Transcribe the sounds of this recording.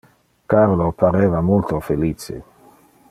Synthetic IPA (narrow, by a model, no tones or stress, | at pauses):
kaɾlopaɾeːvamult̪ofeliːt͡ʃḛ